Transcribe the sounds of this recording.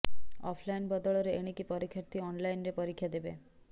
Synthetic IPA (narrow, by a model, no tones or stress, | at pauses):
ɔ̰pʰlajnbɔd̪ɔɭɔɾeeɽ̃ikipɔɾikʰjɔɾt̪iɔnlajnɾepɔɾikʰːjad̪ebe